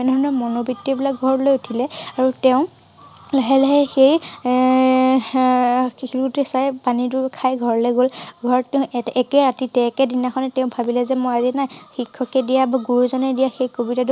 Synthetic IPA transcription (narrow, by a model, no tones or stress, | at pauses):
ɛnʱɔnɔmɔnobitːibilak̚ɡʱɔɹɔlojutʰilɛaɹutɛʊ̃ | laɦɛlaɦɛxej | xilutɛsajpaniduɹkʰajɡʱɔɹlɛɡolɡʱɔɹtɛʊ̃ɛkɛɹatitɛkɛdinaxʰɔnɛtɛʊ̃bʱabilɛzɛmoazinajxikʰːɔkɛdijabaɡuɹuzɔnɛdijaxejkobitadu